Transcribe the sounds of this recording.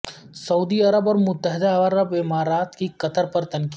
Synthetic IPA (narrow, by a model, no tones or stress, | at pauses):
sɐuːd̪iɐɾəbɔːɾmʊt̪ːəɦɪd̪aɾəbɪmaːɾaːt̪kikɐt̪ʰəɾpɐɾt̪ɐnk